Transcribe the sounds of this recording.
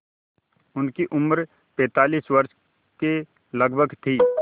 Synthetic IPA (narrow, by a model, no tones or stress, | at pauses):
ʊnkiʔʊmɾ | pɛ̃ːt̪aːliːsʋɐɾʃ | ke | lɐɡbʱəɡt̪ʰiː